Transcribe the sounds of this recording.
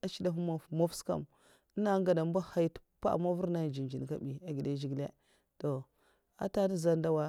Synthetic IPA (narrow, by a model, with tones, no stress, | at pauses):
a˨t͡ʃi˦da˨fu˦ma˨mo˦fska̰˨m˦ | na˦ŋɡa˨da˨m˦ba˦ha˦ji˦tpa̰˦˨ma˦vu˦ɾna˦˨d͡ʒi˨nd͡ʒi˨n˨ka˦bi˨a˨ɡi˨da˦d͡ʒi˦ɡlḛ˦ | to˨ | a̰˦ta˦ni˦za˦n˦da˦wa˦